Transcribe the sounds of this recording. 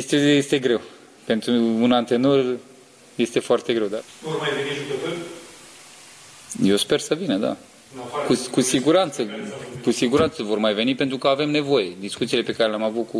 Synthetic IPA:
st̪ejest̪e̞ɡɾe̞w | pe̞nt̪ɾuunant̪e̞no̞r | je̞st̪e̞foart̪e̞ɡɾe̞wd̪a | vormajveniʒukəpɨl | jewspe̞rsəvinəd̪a̰ | kukusiɡuɾant̪səkusiɡuɾant̪səvo̞rmajve̞nipe̞nt̪ɾukəave̞mne̞vo̞je̞d̪iskut̪silepe̞kaɾe̞leamavut̪̚ku

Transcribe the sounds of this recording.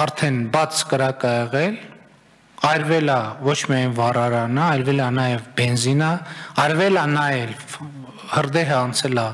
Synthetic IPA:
ɑɾt̪ʰɛnbɑt͡sʰkəɾɑkɑɛʁɛl | ɑjɾvɛlɑvɔt͡ʃʰmiɑjnvɑrɑɾɑnəɑjlvɛlɑnɑjɛvbɛnzinəɑɾvɛlɑnɑjɛlv | həɾd̪ɛɦəɑnt͡sʰɛlɑ

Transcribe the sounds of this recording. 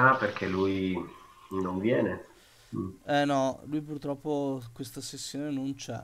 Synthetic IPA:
aperkʰeluj | noɱvjɛːne | ɛnɔlujpurt̪ɾɔpːokwest̪asesːjoːnenont͡ʃɛ̰

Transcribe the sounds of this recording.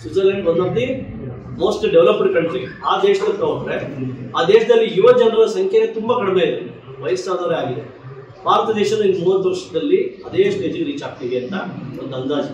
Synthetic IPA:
sud͡ʒɐleɳɖond̪ɐnt̪i | mo̞ːsʈɖeʋlɐpɐɾkɐɳɖt̪iʋiaːd̪eːʃɐd̪ɐk̪ɐkɐɾeaːd̪eːʃɐd̪ɐlːijuʋɐd͡ʒɐnɾɐlɐsɐŋkʰjɐet̪umbɐkɐɽmeid̪u | ʋɐjɐsaːd̪ɐʋɐɾeaːɡid̪e | bʱaːɾɐt̪ɐd̪ɛːʃɐd̪ɐind̪muːʋɐt̪ːʋɐɾʂɐd̪ɐlːiɐd̪eːʂʈeːd͡ʒɐɡeɾiːt͡ʃaːk̚t̪iːʋiɐnt̪ɐond̪ɐnd̪aːd͡ʒu

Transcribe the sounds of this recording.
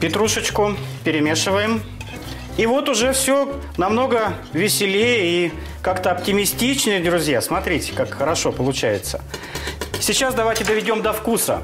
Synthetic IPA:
pʲɪt̪ɾuʂət͡ɕkʊpʲɪɾʲɪmʲeʂɨvəjɪm | ivo̞t̪ʊʐɛfsʲo | nɐmno̞ɡə | vʲɪsʲɪlʲejəi | kakt̪əɐptʲɪmʲɪsʲtʲit͡ɕnəjəd̪ɾʊzʲjasmɐt̪ɾʲitʲɪ̥kakxəɾɐʂo̞pəlˠʊt͡ɕæjɪt̪sə̥ | sʲɪt͡ɕasd̪ɐvajtʲɪd̪əvʲɪdʲo̞md̪ɐfkusə̰

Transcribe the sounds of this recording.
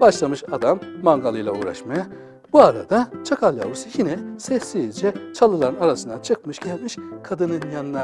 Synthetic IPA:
b̥aʃlˠamɯʃad̪amːaŋɡalˠɯjlˠaṵːɾa̰ʃmaja | b̥uaɾa̰d̪at͡ʃʰakʰalʲa̰usɯjinɛsɛsːiid͡ʒɛt͡ʃʰalˠɯlˠaɾɯnaɾasɯnd̪at͡ʃʰɯk̚mɯʃɟ̥ɛlʲmiʃkʰad̪ɯnɯnjanɯna

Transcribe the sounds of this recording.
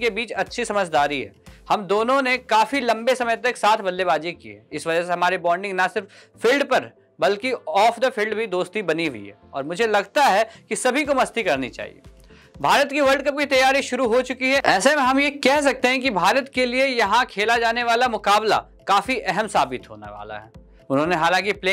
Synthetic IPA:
kebiːt͡ʃɐtːʃʰisɐməd͡ʒʱd̪aːɾiɦɛ̰ːhɐmd̪oːnõnekaːfilɐ̃mbesɐməjt̪ɐksaːt̪ʰbɐlːeβaːd͡ʒikḭɦɛɪsʋɐd͡ʒəs̬eɦɐmaːɾebɔːɾɖɪ̃ŋɡnɐsɪɾf | fɪlɖpɐɾ | bɐlkiɔːfʰd̪ɐfʰɪlɖbʱid̪oːst̪ibɐniɦṵḭɦɛ̰ːɔ̰ːɾmʊd͡ʒʱelɐɡt̪aɦɛkisɐbʱikomɐst̪ikɐɾnḭt͡ʃa̰ːɦḭḛː | bʱaːɾət̪kiʋɐɾɖkɐp̚kit̪ɐjaːɾiʃʊɾuɦot͡ʃʊkiɦɛɛːsemẽɦɐmjekɛɦs̬ɐk̚t̪eɦɛ̃kibʱaːɾət̪keliejɐɦãkʰeːlad͡ʒaːneʋaːlamʊkaːbla̰ | kaːfiʔɛɦɛmsaːbɪt̪ɦo̰ːnḛʋa̰ːla̰ɦɛ̰ː | ʊnɦõːneɦaːlãːŋkipleː

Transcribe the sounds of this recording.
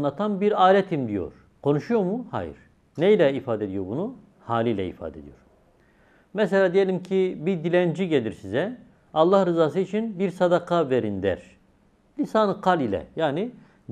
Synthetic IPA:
nˠat̪ʰanbiɾaːɾɛt̪ʰimd̪ijo̞̰ɾ̥ | kʰo̞nuʃujo̞ɾmuha̰jḭɾ̥ | nejlʲɛifaːd̪ɛed̪ijo̞ɾbunu | haːlʲiːlʲɛḭfa̰ːd̪ed̪ijo̞ɾ | mɛs̬elʲaːd̪ejelʲimcʰibid̪ilʲænd͡ʒiɟelʲiɾsizɛ | ɑlˠːahɾɯzaːs̬ɯit͡ʃʰinbiɾsad̪akʰaveɾind̪æ̰ɾ̥ | lʲisaːnɯqʰalilʲɛ̰jaːni

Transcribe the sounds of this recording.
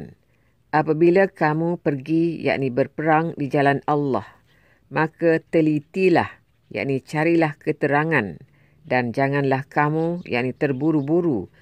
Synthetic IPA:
n | ʔapabilakamũpərɡija̰ʔnibərpəɾaŋdid͡ʒalanalːɑh | mãkat̪əlit̪ila̰h | ja̰ʔnit͡ʃaɾilahkət̪əɾaŋãn | dand͡ʒaŋãnlahkamũja̰ʔnit̪ərbuɾubuɾu

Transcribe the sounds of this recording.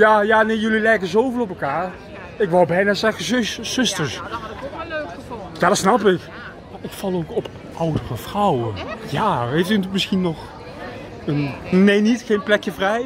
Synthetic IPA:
jaːjaːnejjɵlilɛjkəzowvɪlˠɔpəlˠkaːɹ | ɪkʋɑlˠbɛjnaːzɛɣəzz̥ʏstəɹs | jadɑtsnɑpɪk | ɪkfɑlˠokɔp | ʔʌwdərəv̥rɔwəjaːɦejftynətmɪsχinːɔχ | ənnejnitxejnplɛkjəvrɛj

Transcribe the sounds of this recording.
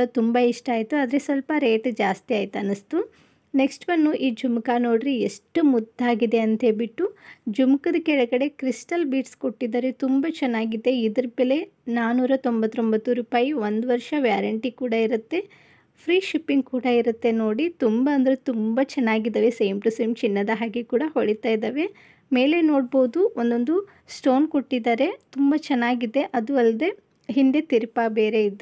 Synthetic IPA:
ɽɐt̪umbɐiʂʈɐaːjit̪uaːd̪ɐɾe̞sʋɐlpɐɾe̞ːʈd͡ʒaːst̪iaːjt̪uɐnːɐst̪u | ne̞ksʈʋɐnːuʔiːd͡ʒumkano̞ːɽɾieʂʈumud̪ʱːaːɡid̪e̞ɐnt̪ebiʈːud͡ʒumkɐd̪ɐkɛɭɐɡɐɽe̞kɾisʈɐlbiːʈskoʈːid̪ɐɾet̪umbɐt͡ʃɛnːaːɡid̪ːe̞id̪ɐɾpele̞ | naːnuːɾɐt̪o̞mbɐt̪ːɾombɐt̪ːuɾuːpaːjiʋond̪uʋɐɾʃɐʋjaːɾɐɳʈikuːɽɐiɾut̪ːe̞ | pʰɾiːʃipiŋɡ̚kuːɽɐiɾut̪ːe̞noːɽit̪umbɐɐnd̪ɐɾet̪umbɐt͡ʃɛnːaːɡid̪ɐʋeseːmpɾɐsɐmt͡ʃinːɐd̪ɐɦaːɡekuːɽɐhoɽit̪aːjd̪ɐːʋe̞ | me̞ːle̞noːɽboːd̪uond̪o̞nd̪u | sʈo̞ːnkoʈːid̪aːɾe̞t̪umbɐt͡ʃɛnːaːɡid̪ːe̞ʔɐd̪uɐlɐd̪e̞ | ɦind̪e̞t̪iɾpabeːɾe̞id̪u

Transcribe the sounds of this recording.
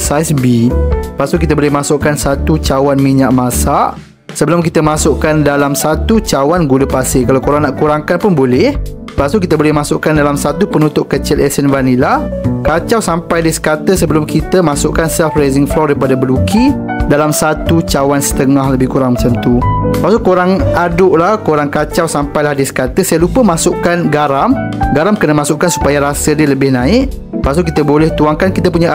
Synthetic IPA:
sajsbipasukit̪əbolɪhmasʊʔkansat̪ut͡ʃawanmiɲaʔmãsaʔ | səbəlʊmkit̪əmãsʊʔkandalamsat̪ut͡ʃawanɡuləpasɪkalawkuɾaŋnaʔkuɾaŋkanpʊnbolɛh | əpasuk̬it̪əbolɛhmãsʊʔkandalamsat̪upənũt̪ʊʔkət͡ʃɪlɛsənvanilahkat͡ʃawsampajdisə̥kat̪əsəbəlʊmkit̪əmãsʊʔkansɛlfɾajzɪŋflɔdajpadabəluki | dalamsat̪ut͡ʃawansə̥t̪əŋãhləbɪhkuɾaŋmat͡ʃamt̪uəpasukoɾaŋadʊʔlahkoɾaŋkat͡ʃawsampajlahdisə̥kat̪əsajalupəmasʊʔkanɡaɾamɡaɾamkənəmasʊʔkansu̥pajaɾasədələbɪhnãɪʔ | əpasuk̬it̪əbolɛht̪uaŋkankit̪əpuɲa

